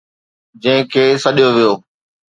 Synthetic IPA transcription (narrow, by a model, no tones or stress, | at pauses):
d͡ʑɐ̃ɦɪ̃kʰeːsɐɗijoʋijoː